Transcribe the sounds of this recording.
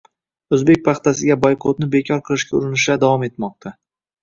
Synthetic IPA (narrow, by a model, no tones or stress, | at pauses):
ɵzbek̚ʲpʰɑχt̪asɪɡʲabojqʰot̪̚nɪbe̞kʲʰɒɾqʰɨlˠɪʃkʲaʊɾɪnɪʃad̪avɒme̞t̪mɒq̚t̪ʰa